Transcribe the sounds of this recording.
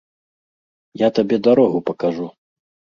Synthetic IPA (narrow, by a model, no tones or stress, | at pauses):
jat̪abʲɛd̪aɾɔɣupɐkaʐu